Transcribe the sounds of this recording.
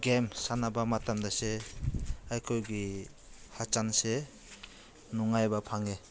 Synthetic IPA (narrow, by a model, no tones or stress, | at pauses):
ɡemsanabamatamdase | ajkʰojɡi | hat͡ʃanse | nuŋajbapʰaŋe